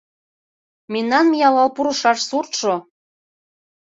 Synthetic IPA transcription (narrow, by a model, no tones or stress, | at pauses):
mennːɑnmijɑlɑlpuɾɤ̆ʃɑʃsurt̪ʃo